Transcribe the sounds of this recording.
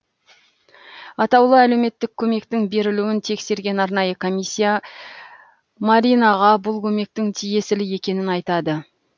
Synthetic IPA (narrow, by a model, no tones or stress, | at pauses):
ɑt̪ɑwlˠəæle̞wme̞t̪ːɪkʲʰːɵme̞kt̪ɪŋbe̞ɾɪluwɪnt̪ʰe̞kse̞ɾɡʲe̞nɑɾnɑjəkʰo̞mijsʲːija | maɾinɑʁɑbʊlˠkʲʰɵme̞k̚t̪ɪŋt̪ʰije̞sɪlɪje̞kʲe̞nɪnɑjt̪ɑd̪ə